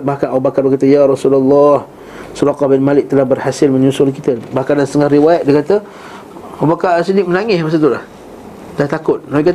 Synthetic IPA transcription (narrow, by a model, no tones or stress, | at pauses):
bahkanʔawbakaʔbəkat̪əjaɾɑsulalːɑh | suɾaqɑhbɪnmalɪk̚t̪əlahbərhasɪlmə̃ɲusʊlkit̪əbahkandansət̪əŋahriwajat̪̚dikat̪ə | awbakasidɪk̚mənaŋɪsmas̬at̪̬ulah | d̥aht̪akʊt̪̚naikat̪